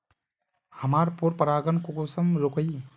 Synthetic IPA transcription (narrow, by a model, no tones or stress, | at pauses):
həmaːɾpuɾpəɾaːɡənkokoːsəmɾokəj